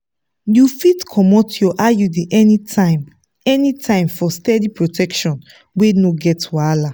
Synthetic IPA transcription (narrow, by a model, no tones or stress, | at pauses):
jufitkʰɔmɔtjɔʔajudeʔɛniam | ɛnitʰãɪ̃mfɔstɛdipɹotʰɛkʃɔ̃n | wenoɡɛtwala